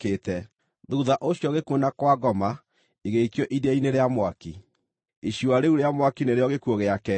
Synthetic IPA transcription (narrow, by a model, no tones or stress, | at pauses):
ketɛ | ðuðaʔoɕjɔɣekwonakwaɡɔma | iɣeikjɔʔiðaineɾeamwaki | iɕjwaɾeuɾeamwakineɾeɔɣekwoɣeakɛ